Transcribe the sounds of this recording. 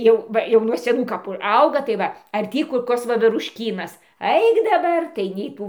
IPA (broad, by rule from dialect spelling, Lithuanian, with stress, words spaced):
ˈjɛʊ ˈʋɐ jɛʊ nuɔ sʲɛˈnuː kɐˈpuː ˈɐʊɡɐ tɐɪ ˈʋɐ ɐr ˈtʲiː kʊr ˈkoːs ʋɐʋʲɛrʊʃʲˈkʲiːnɐs ˈɐɪk dɐˈbɐr tɐɪ nʲɛɪ ˈtuː